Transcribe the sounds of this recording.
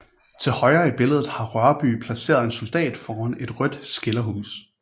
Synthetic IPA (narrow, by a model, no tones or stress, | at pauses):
t͡sʰe̝lhɒ̽ɪɐːib̥e̝ləð̞ˠð̩ˠhɑ̈ʁɶɐb̥y̰ːpʰlæse̝̰ːɐð̞ˠe̝nso̝ld̥ɛ̰ːd̥fɒːɐne̝d̥ʁœd̥sɡ̥e̝lɐɦṵːs